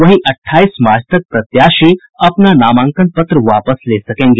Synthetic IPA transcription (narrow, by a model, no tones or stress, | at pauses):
ʋɐɦĩʔɐʈʰːaːiːsmaːɾd͡ʒʰʱt̪ɐk̚pɾɐt̪jaːʃi | ɐpnanaːmãːŋkə̃nt̪̚pɐt̪ɾəʋaːpəsleːsɐkẽːŋɡeː